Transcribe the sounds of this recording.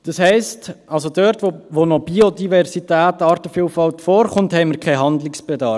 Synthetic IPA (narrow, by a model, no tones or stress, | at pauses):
d̥ɑshɛɪstɑlsodøːɾtʋoʋonɔb̥iodivɛɾsitæːtɑːɾtəfilfɑltfɔːɾχʊnthɛɪmiɾkʰɛɪɦɑndlɪksb̥edɑːɾ